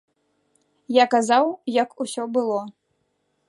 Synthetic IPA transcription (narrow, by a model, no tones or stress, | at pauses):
jakazawjɐkusʲɔbɨlˠɔ